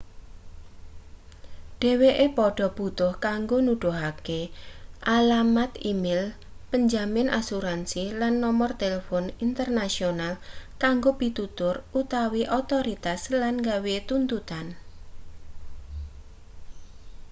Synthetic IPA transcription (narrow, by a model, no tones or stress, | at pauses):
ɖ̥e̤weʔepɔɖ̥ɔ̤b̥ṳt̪ʊhkaŋɡonuɖ̥oɦakeʔalamat̪imɪl | pəɲd͡ʒamɪnʔasuɾansilanːɔmɔrt̪elefɔnint̪ərnasionalkaŋɡobit̪ut̪ʊrut̪awiʔot̪oɾit̪aslanŋɡawet̪unt̪ut̪an